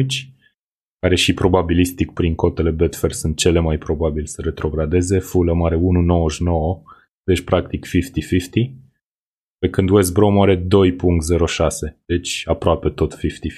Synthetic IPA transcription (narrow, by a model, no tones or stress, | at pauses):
t͡ʃʲ | kaɾe̞ʃipɾo̞babilist̪ik̚pɾiŋko̞t̪e̞le̞bet̪fersunt̪̚t͡ʃe̞le̞majpɾo̞babilsəɾe̞t̪ɾo̞ɡɾad̪e̞ze̞fuləmaɾe̞ununo̞wəʃnowə | d̪et͡ʃpɾakt̪ikfift̪ifift̪i | pe̞kɨnd̪uwes̬bɾo̞maɾe̞d̪o̞jpuŋkt̪ze̞ɾo̞ʃase̞d̪̥e̞t͡ʃʲapɾoape̞t̪o̞t̪fift̪i